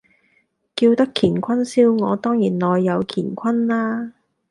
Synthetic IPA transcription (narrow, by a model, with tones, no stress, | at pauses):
kiː˧wt̪ɐ˥kʰːiː˨˩nkʷʰɐ˥nsiː˥wŋɔː˨˧t̪ɔː˥ŋjiː˨˩nlɔː˨jːɐ˨˧wkʰiː˨˩nkʷʰɐ˥nlaː˥